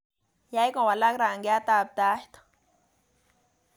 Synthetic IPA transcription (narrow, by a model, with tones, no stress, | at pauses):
ja˧˦jkɔ̃˨wa˨la˦kɾa˨ŋɡja˦t̪a˦˨p̚t̪a˦ht̪o̥